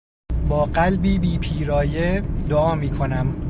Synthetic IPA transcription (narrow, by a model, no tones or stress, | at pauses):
bɒːɢælbiːbiːpʰiːɾɒːjed̪oɒːmiːkʰonæm